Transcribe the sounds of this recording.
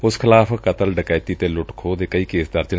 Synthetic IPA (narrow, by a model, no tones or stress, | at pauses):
ʊskʰɪlaːpʰkət̪əlɖəkaːjt̪iːt̪eːlʊʈkʰoːd̪eːkəiːkeːsd̪əɾd͡ʒə